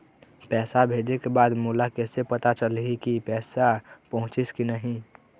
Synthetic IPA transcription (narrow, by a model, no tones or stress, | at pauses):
pɛːsabʱed͡ʒekebaːd̪mulakɛsepət̪at͡ʃəlikipɛːsapəɦʊ̃t͡ʃɪskinəɦĩ